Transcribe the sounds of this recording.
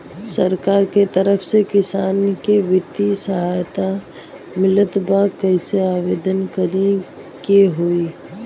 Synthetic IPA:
səɾkaːɾket̪əɾəpʰsekɪsaːnkeʋɪt̪isəɦajt̪a | mɪlət̪bakːəɪseaːʋeːd̪ənkəɾe | keɦoːi

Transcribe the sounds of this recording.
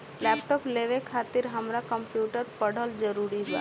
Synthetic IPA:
lɛːpʈɔːpleʋekʰaːt̪ɪɾɦəmɾakə̃mpjuːʈəɾpəɽ̤əld͡ʒəɾuːɾiba̰

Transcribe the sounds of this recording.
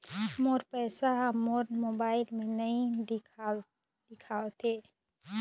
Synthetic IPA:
moːɾpɛːsaɦmoɾmoːbaːɪlmẽnəɦĩ | d̪̥ɪkʰaːwt̪ʰe

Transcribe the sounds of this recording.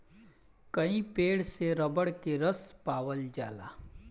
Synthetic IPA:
kəĩpeːɽseɾəbəɽkeɾəspaːʋəld͡ʒa̰ːla̰ː

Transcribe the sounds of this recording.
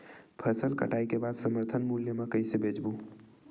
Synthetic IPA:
pʰəsəlkə̰ʈaːikebaːd̪səməɾt̪ʰənmuljəmẽkəjsebʱed͡ʒbu

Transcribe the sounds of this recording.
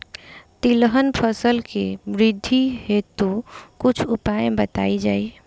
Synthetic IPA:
t̪iləɦənpʰəsəlkebɾɪd̪ʱːihet̪ukʊt͡ʃʰupajẽbət̪a̰id͡ʒaːi

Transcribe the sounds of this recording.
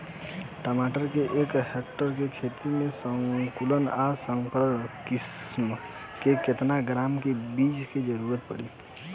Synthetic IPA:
ʈəmaʈəɾkeʔekɦekʈəɾkekʰet̪imẽsəŋkulənasəŋkəɾəkism | keket̪naɡɾamkebid͡ʒked͡ʒəɾuɾət̪̚pə̰ɽi

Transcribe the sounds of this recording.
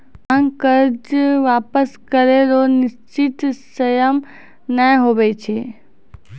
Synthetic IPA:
ãŋkəɾd͡ʒʋaːpəskəɾeɾonɪst͡ʃɪt̪səjəm | nəjɦoːʋet͡ʃʰeː

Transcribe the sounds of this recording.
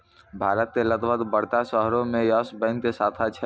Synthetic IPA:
bʱaɾət̪̚kelət̪ʋəd̪bəɽ̤t̪asəɦɾomejəsbə̃ɪnk̪esat̪ʰat͡ʃʰɛ

